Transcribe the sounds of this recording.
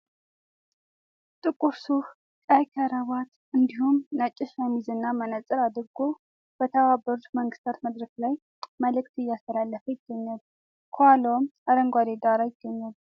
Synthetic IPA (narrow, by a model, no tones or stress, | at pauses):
t̪ʼɨkʼuɾsuh | kʼajkʰəɾəβat̪ | ʔɨnd̪ihumnat͡ʃʼːɪʃamizɨnːamənət͡sʼɨɾad̪ɨɾɡo | b̥ət̪ʰəβabːəɾut̪məŋɡɨst̪ʰat̪məd̪ɾəklaj | məlɨk̚t̪ɨjːast̪ʰəlalːəfəjɪɡ̥ːəɲːal | kʰalomʔaɾəŋɡʷad̪ed̪aɾajɪɡ̥ːəɲːal